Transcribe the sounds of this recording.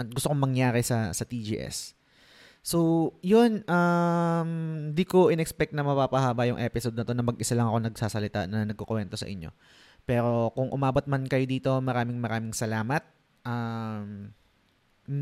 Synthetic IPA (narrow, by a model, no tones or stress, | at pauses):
ʔɐt̪̚ɡʊst̪okoŋmɐŋjaːɾɛsɐsɐt̪id͡ʒḭːʔɛ̰sː | owjonʔamd̪iko̞ʔɪnɛkspɛk̚t̪nɐmɐpaːpɐhaːbɐjʊŋʔɛːpɪsod̪̚nɐt̪o̞nɐmɐɡʔɪsalɐŋɐko̞nɐɡ̚saːsɐlɪt̪a̰nɐnɐɡ̚kokwɛnt̪o̞sɐ̰ʔɪɲːo̞̰ | pɛːɾo̞kʊŋʔʊmaːbot̪̚mɐnkɐjod̪iːt̪o̞mɐɾaːmɪŋmɐɾaːmɪŋsɐlaːmɐt̪̚ | ʔam